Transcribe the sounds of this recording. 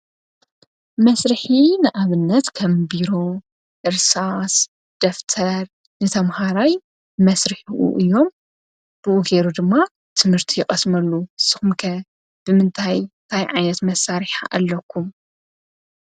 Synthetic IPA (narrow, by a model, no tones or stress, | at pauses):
mɐsɾɨħinɨʔaβɨnːɐt̪kʰɐmbiɾo̞ | ʔɨɾsas | d̪̥ɐft̪ʰɐɾ | nɨt̪ʰɐmhaɾaj | mɐsɾɨħuʔṵʔɨjːo̞m | b̥ɨʔuɡeɾud̪ɨmːa | t̪ʰɨmhɨɾt̪ʰijɪxʼɐsmɐlːusɨxumkʰɐ | b̥ɨmɨnt̪ʰajnt̪ʰajʕajnɐt̪mɐsːaɾiħa̰ʔalːɐkʰːum